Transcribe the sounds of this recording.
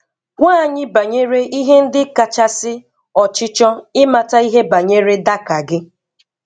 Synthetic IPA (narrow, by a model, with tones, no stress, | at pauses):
ŋʷaː˦˨ɲɪ˦ba˨ɲe˦ɾe˦ʔi˦ɦe˦n̩˦dɪ˦ka˨t͡ʃa˦sɪ˦ | ɔ˨t͡ʃɪ˦t͡ʃɔ˦ɪ˦ma˨ta˦i˦ɦe˦ba˨ɲe˦ɾe˦da˦ka˨ɡɪ˦